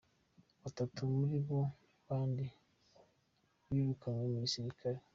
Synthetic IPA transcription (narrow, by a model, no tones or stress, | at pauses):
watatʰomuɾibɔ | baːnde | wiɾukʰaŋamisiɾikʰaɾe